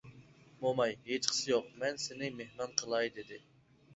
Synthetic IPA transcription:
momɑjɦet͡ʃqʰə̥sɨjoq̚mɛnsɪnɪmehmɑnqʰəlˠɑjd̪ɪd̪ɪ

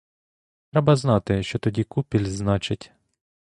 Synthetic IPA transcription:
t̪ɾɛbɐznɑt̪ɪʃt͡ʃɔt̪ɔdʲikupʲilʲznɑt͡ʃɪtʲ

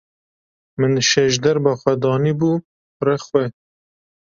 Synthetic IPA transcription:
mɨnʃɛʃd̪ɛɾbɑxwɛd̪ɑːniːbuː | rɛxwɛ

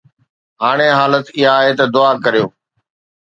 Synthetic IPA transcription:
ɦaːɽ̃eːɦaːlət̪ɪɦaːɦet̪ɐd̪ʊaːkəɾijoː

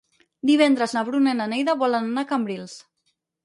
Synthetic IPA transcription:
d̪iβ̞ɛnd̪ɾəznaβɾunenanejðaβɔlənanakambɾilˠs

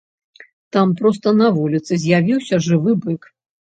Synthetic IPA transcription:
t̪ampɾɔst̪ɐnɐvulʲit̪sɨzʲjavʲiwsʲɐʐɨvɨbɨk

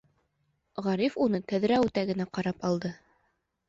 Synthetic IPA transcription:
ʁɑɾifunɤk̪æðɾæʉt̪æɡɘ̆næqɑɾɑpɑlˠd̪ɤ

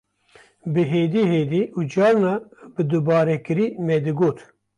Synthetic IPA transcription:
bɨɦeːd̪iːɦeːd̪iʔud͡ʒɑːɾnɑbɨd̪ɨbɑːɾɛkɨɾiːmɛd̪ɨɡoːt̪

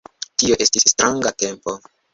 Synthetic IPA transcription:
tio̞ʔe̞stisːtɾaŋɡate̞mpo̞

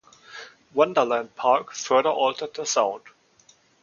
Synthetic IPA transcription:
wʌ̃ndə˞læ̃nd̚pʰɑɹkfɜ˞ðə˞ʔɔltʰə˞d̪̚ðəsãʊ̃nd̥

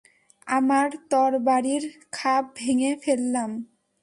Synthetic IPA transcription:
amaɾt̪ɔɾbaɾiɾkʰab̚bʱeŋefelːam

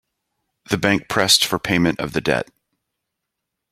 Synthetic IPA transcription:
ðɨbæ̃ŋk̚pʰɹ̥ɛstfə˞pʰẽɪ̃mɨ̃ñʔʌ̰vðɨdɛ̰t̚

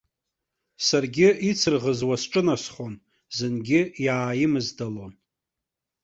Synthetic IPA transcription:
sarɡʲɪit͡sʰɨrʁəzwasʈ͡ʂʼɨnasχon | zɨnɡʲɪjaːjɪmɨzdalo̞n

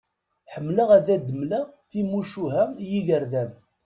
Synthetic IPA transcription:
ħəmːləʁæðæd̪ːəmlæθimuʃuɦæjiʝəɾðæn

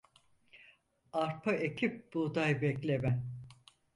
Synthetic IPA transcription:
aɾpʰaecʰip̚b̥ud̪ajbɛklʲemɛn

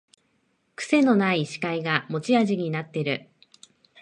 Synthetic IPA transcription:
kɯ̟̥se̞no̞naiɕi̥kaiɡamo̞t͡ɕiaʑiɲ̟inat̪ːe̞ɾɯ̟

